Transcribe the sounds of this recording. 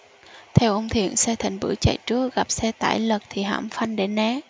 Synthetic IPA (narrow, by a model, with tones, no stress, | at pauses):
t̪ʰɛ˧wʔə˧wŋ͡mt̪ʰḭ˧˨ənsɛ˧t̪ʰa˧˩ŋ̟ɓɨ̰˧˥t͡ɕa̰˧˨jt͡ɕɨ˦˥ək̚ɣa˨˩p̚sɛ˧t̪a̰ː˧˩jlə˨˩k̚t̪ʰi˨˩ɦa̰ː˧˥˩mfa˧ŋɗe˧˩˥nɛ˨˦˥